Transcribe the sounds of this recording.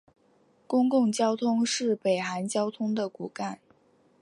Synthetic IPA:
kʊ˥ŋkʊ˥˩ŋt͡ɕjɑ˥ʊt̪ʰʊ˥ŋʂɻ̩˥˩pe˨˩ɪxa˧˥nt͡ɕjɑ˥ʊt̪ʰʊ˥ŋd̪ə˨ku˨˩ka˥˩n

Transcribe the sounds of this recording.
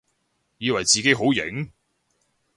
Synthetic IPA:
jiː˨˧wɐ˨˩jt͡siː˨ke˨˥ɦo˨˥wjɪ̰˨˥ŋ

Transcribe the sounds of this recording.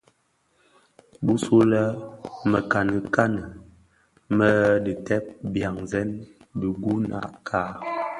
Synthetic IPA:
bu˦so˦lə˦mə˨ka˨nə˨ka˦nə˨ | mə˦də˨tɛ˦p̚bja˨ŋzɛ˦n | bi˨ɡu˦na̰˨kʰa˦

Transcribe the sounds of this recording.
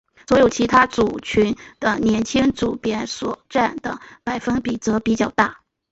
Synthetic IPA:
swɔ˧˥jo˨˩ʊt͡ɕʰi˧˥t̪ʰa˥t͡su˨˩t͡ɕʰy˧˥nd̪̥ə˧njɛ˧˥nt͡ɕʰi˥ŋt͡su˨˩pjɛ˥nswɔ˨˩ʈ͡ʂa˥˩nd̪ə˩pa˨˩ɪfə˥ŋpi˨˩t͡sɤ˧˥pi˨˩t͡ɕjɑ˥˩ʊt̪a˥˩

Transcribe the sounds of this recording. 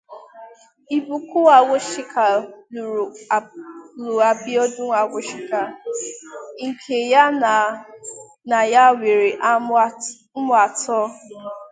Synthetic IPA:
i˨bu˨ku˦a˨ɡʷo˦ʃi˦kʰa˨l | lu˨a˨bi˦ɔ˦dʊ˦ŋʷa˨ɡʷo˦ʃɪ˦ka˨ | ŋ̩˨kʰe˨ja˦n˨ | na˨ja˦wʷe˨ɾe˨ʔ̩˦ | mʊ˦a˨tɔ˦

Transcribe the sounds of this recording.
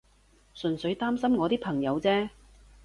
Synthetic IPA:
sɵ˨˩nsɵ˨˧˥ɥt̪aː˥msɐ˥mŋɔː˨˧t̪iː˥k̚pʰɐ˨˩ŋjɐ˨˧wt͡sɛː˥

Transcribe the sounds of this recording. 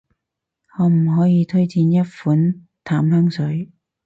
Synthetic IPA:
hɔː˨˧m̩˨˩ɦɔː˨˥jiː˨˧t̪ʰɵ˥ɥt͡siː˧njɐ˥t̚fuː˨˥n | t̪ʰaː˨˥mhœː˥ŋsɵ˨˥ɥ

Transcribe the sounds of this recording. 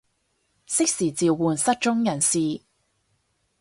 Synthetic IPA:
sɪ˥k̚siː˨˩t͡siː˨wwuː˨nsɐ˥t̚t͡ʃʊ˥ŋjɐ˨˩nsiː˨

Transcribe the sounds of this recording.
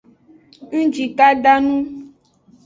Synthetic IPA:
ŋ̩˦d͡ʒi˨ka˦ɖa˦nũ˦

